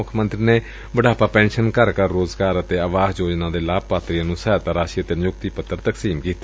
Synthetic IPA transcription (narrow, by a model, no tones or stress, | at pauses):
ʊkʰmə̃nt̪ɾiːneː | bəɖaːpaːpɛ̃ːnʃənkəɾkəɾːoːzɡaːɾət̪eːəʋaːzd͡ʒoːd͡ʒnãːd̪eːlaːb̚paːt̪ɾijãːnũːsət̪aːɾaːʃiːət̪eːnjʊk̚t̪iːpət̪ːəɾt̪əksiːmkiːt̪a